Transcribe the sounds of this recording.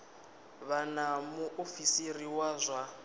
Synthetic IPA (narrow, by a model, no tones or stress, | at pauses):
βanamuʔofisiriwazʷa